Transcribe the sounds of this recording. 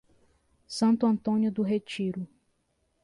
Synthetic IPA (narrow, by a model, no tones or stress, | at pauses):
sɐ̃nt̪ʊɐ̃nt̪õnjʊd̪ʊɦet͡ʃiɾʊ